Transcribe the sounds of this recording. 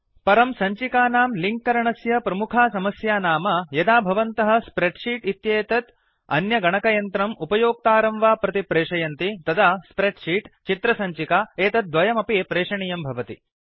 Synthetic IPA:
pɐɾɐmsɐɲt͡ʃikaːnaːmliŋkːɐɾɐɳɐsjɐpɾɐmukʰaːsɐmɐsjaːnaːmɐjɐd̪aːbʱɐʋɐnt̪ɐɦɐ̆spɾeɖʂiːʈit̪jeːt̪ɐt̪ | ɐ̰njɐɡɐɳɐkɐjɐnt̪ɾɐmupɐjoːk̚t̪aːɾɐmʋaːpɾɐt̪ipɾeːʂɐjɐnt̪it̪ɐd̪aspɾeɖʂiːʈt͡ʃit̪ɾɐsɐɲt͡ʃikaːeːt̪ɐt̪̚d̪ʋɐjɐmɐpipɾeːʂɐɳijɐmbʱɐʋɐt̪ḭ

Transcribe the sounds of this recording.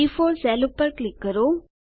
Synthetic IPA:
ifoːɾsɛlupːəɾklɪkːəɾo

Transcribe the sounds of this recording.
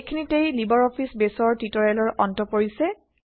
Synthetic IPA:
kʰinitejlibɔɹɔpʰisbesɔɹtitɔɹalɔɹʔɔntɔpoɹisɛ

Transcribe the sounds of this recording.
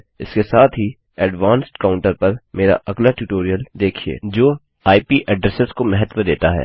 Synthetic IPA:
ɪskesaːt̪ʰɦi | ɛɖʋãːnsʈkaːʊ̃ɳʈəɾpɐɾmeːɾa̰ʔɐɡlaʈjuːʈoːɾijəld̪eːkʰiḛːd͡ʒoː | aːipiʔɛɖɾɛsəskomɛɦɛt̪wəd̪eːt̪aɦɛ̰ː

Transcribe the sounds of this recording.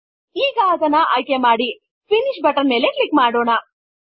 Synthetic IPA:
iːɡɐːd̪ɐnːɐʔɐjkemaːɽi | pʰiniʃbɐʈɐɾme̞ːleklikmaːɽoːɳɐ

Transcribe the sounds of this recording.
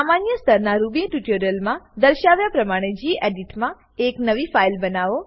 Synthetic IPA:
samanjəst̪ʰəɾnaɾubĩʈuʈəɾjəlmãd̪əɾʃaʋjapɾəmaɽ̃ed͡ʒiʔeɖiʈmã | eknəʋifailbənaʋo

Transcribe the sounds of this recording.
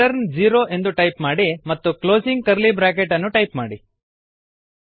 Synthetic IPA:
ɐɾnd͡ʒiːɾoːʔe̞nd̪uʈɐjpmaːɽimɐt̪ːukloːsiŋɡ̚kɐɾlibɾaːk̬eʈɐnːuʈɐjpmaːɽi

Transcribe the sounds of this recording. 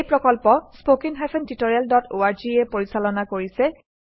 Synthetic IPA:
jpɹɔkɔlpɔspokiŋɦapʰɛntitoɹijaldɔtʰoaɹd͡ʒiɛpoɹisalɔnakoɹisɛ

